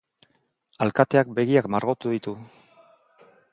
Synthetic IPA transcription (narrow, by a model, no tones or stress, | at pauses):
alkat̪e̞ak̚be̞ɣiakmaɾɣo̞t̪uðit̪u